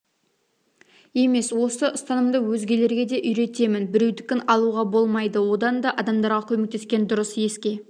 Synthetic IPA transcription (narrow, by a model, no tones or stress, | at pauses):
e̞me̞swo̞səʔəst̪ɑnəmd̪əwɵzɡʲe̞le̞ɾɡʲe̞d̪e̞ʔʏjɾe̞t̪e̞mɪnbɪɾe̞wd̪ɪkʲːɪnɑlˠuʁɑbo̞lˠmɑjd̪əwo̞d̪ɑnd̪ɑʔɑd̪ɑmd̪ɑɾʁɑkʲʰɵmek̚t̪e̞skʲe̞nd̪ʊɾəsje̞skʲe̞